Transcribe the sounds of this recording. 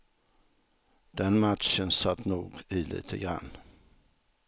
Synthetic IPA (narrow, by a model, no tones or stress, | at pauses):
d̪̥ɛnmat̪ʃənsat̪ːnuːɡiːlḭːt̪ʰəɡɾa̰nː